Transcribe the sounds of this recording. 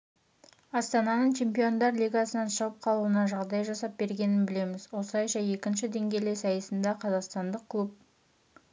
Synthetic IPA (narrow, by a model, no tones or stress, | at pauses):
ɑst̪ɑnɑnəɴt͡ʃʰe̞mpijo̞nd̪ɑɾlʲijɡɑsənɑnʃɑlˠəp̚qʰɑlˠuənɑʒɑʁd̪ɑjʒɑsɑp̚be̞ɾɡʲe̞nɪnbɪle̞mɪzwo̞slˠɑjʃɑje̞kʲɪnʃɪd̪e̞ŋɡʲe̞le̞sɑjəsənd̪ɑqʰɑzɑqst̪ɑnd̪əq̚kʲʰɵp̚